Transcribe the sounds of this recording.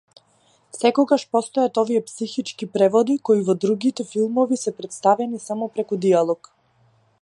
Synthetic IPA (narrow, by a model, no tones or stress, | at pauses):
sɛkɔɡaʃpɔst̪ɔjat̪ɔvijɛpsixit͡ʃkipɾɛvɔd̪ikɔivɔd̪ɾuɡit̪ɛfilˠmɔvisɛpɾɛt̪st̪avɛnisamɔpɾɛkud̪ialˠɔk